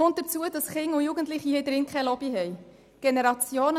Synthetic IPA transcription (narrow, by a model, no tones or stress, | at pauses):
ont̚d̥əɾt͡suədɑsχɪŋːʊjuɡən̩tlɪχihɪːdɾɪŋkʰχɛɪlɔb̥iɦɛj | ɡ̥enɛɾɑt͡sjoːnə